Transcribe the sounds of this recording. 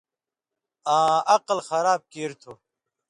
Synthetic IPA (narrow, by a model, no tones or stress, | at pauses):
ãːʔɐqlxɐɾaːb̚keːɾt̪ʰo